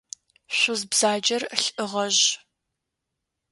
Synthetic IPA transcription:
ɕʷʊzbz̥aːd͡ʒɐrɬʔɨʁɐʒ

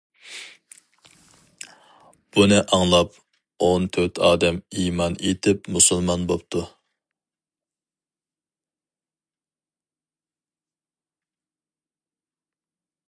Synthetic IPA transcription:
b̥unɨʔɑŋlˠɑp̚ | ont̪ʰøt̪ʰɑːd̪ɛmimɑnet̪ʰɪpmusɨlˠmɑnbopt̪ʰu

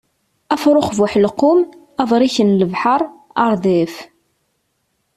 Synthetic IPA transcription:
æfɾˤoχvʊħlqːʊm | ævˤɾˤiçənləvħɑɾˤ | ɑɾˤðif

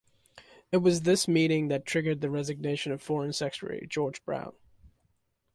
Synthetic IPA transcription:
ɨt̚wʌzðɪsmiɾɪ̃ŋðɨtʰɹ̥ɪɡə˞d̪̚ðɨɹɛzɨɡ̚neɪʃɨ̃nʌv̥fɔɹɨ̃nsɛkʃə̰˞ḭd͡ʒɔɹd͡ʒbɹã̰ʊ̃n

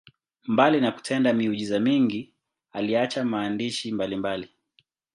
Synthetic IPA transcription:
mbalinaku̥tʰɛndamiuʄizamiŋɡi | aliat͡ʃamaːndiʃimbalimbali

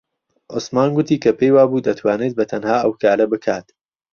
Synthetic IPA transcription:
ʔosmaːnɡʷʊt̪iːkʰɐpʰejwaːbuːd̪ɐt̪ʰwaːneːt̪̚bɐt̪ʰɐnhaːʔɐwkʰaːɾɐbɨkʰaːt̪

